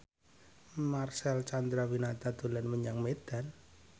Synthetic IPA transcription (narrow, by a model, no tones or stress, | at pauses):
marsɛlt͡ʃand̪ɾawinat̪ad̪̥o̤lanməɲaŋmed̪̥a̤n